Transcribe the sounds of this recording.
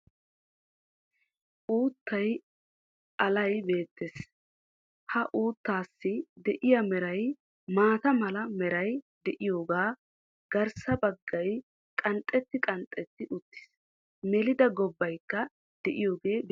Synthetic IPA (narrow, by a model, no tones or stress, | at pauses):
ʔuːt̪ːɐj | ʔɐlɐjbe̞ːt̪ːeːs | hɐʔuːt̪ːaːsːɪd̪ɛʔɪjɐmɛɾɐj | maːt̪ɐmɐlɐmɛɾɐjd̪ɛʔɪjo̞ːɡaː | ɡ̥ɐɾsɐbɐɡːɐj | kʼɐnt̪ʼːɛt̪ːɪkʼɐnt̪ʼːɛt̪ːɪʔʊt̪ːɪ̥s | mɛlɪd̪ɐɡɔbːɐjkːɐ | d̪̥ɛʔɪjo̞ːɡe̞ːb